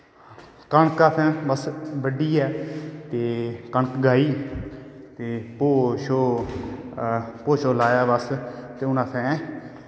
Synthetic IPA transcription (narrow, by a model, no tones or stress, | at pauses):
kəɳkaːp̪ʰɛ̃ːbəsbəɖiːɛːt̪eːkəɳkɡaːiː | t̪eːpoːʃoː | poːʃoːlaːjaːbəst̪eːʊnãːt̪ʰɛ̃ː